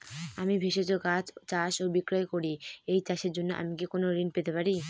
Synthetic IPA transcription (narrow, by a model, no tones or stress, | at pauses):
amibʱeʃed͡ʑokad͡ʑt͡ɕaʃobikɾɔekoɾiejt͡ɕaʃeɾd͡ʑonːoʔa̰mik̬ekonoɾinpet̪epaɾi